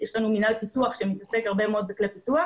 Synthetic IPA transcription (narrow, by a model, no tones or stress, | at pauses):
jeʃlanuminalpituaχʃemitase̞kaʁbemeo̞d̪̚beklepitua